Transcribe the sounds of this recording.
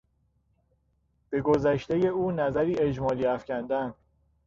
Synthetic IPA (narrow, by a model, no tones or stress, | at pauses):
b̥e̞ɡozæʃt̪eje̞uːnæzæɾiːe̞d͡ʒmɒːliːæfcʰænd̪æn